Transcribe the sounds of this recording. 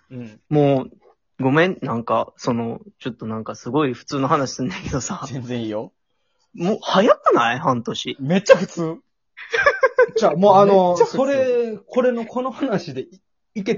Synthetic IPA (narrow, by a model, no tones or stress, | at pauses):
ɯ̃ɴmoː | ɡo̞mẽ̞nːãŋka̰so̞no̞t͡ɕo̞t̪ːo̞nãŋkasɨɡo̞iɸɯ̟̥t͡sɨːnoɦanaɕi̥sɨ̃nd̪ẽ̞ŋke̞d̪o̞sazẽnd͡zẽiːjo | moːhajakɯ̟naihãnt̪o̞ɕime̞t͡ɕːaɸɯ̟̥t͡sɨː | d͡ʑaːmoːano̞so̞ɾe̞ko̞ɾe̞no̞ko̞no̞hanaɕid̪e̞ | ike̞